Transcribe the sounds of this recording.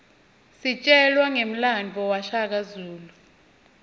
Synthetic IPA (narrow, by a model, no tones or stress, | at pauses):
sit͡ʃʼɛlwaŋem̩land͡vʱɔwaʃak̬azuːlu